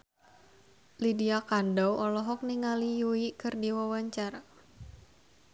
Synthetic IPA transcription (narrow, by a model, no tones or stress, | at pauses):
lidiakandawʔɔlɔɦɔk̚niŋalijuikɨrdiwawaɲt͡ʃara